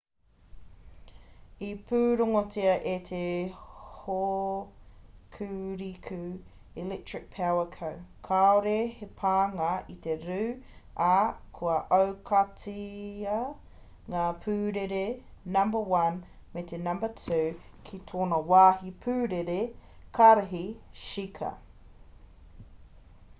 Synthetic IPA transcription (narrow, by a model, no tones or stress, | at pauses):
ipʰʉːɾoŋotʰiɐʔet̪ʰe | ho | kʰʉɾikʰʉ | ilɛk̚tɹɪk̚pʰɛwəkʰəwkʰaoɾehepʰaːŋɐit̪eɾʉːɐkʰuɐʔowkʰɐtiɐ | ŋaːpʰʉːɾeɾenɐ̃mbəwɐn | met̪ʰenɐ̃mbətʰʉː | kʰit̪ʰoːnɐwaːɦipʰʉːɾeɾe | kʰaɾɐɦiʃikʰɐ̰